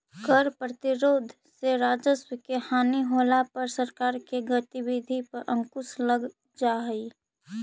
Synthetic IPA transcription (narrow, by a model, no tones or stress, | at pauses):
kəɾpɾət̪ɪɾoːd̪ʱ | seɾaːd͡ʒəswkehaːniɦoːlapɐɾsəɾkaːɾkeɡət̪iwid̪ʱipɐɾʔə̃ŋkʊsləɡ | d͡ʒaɦi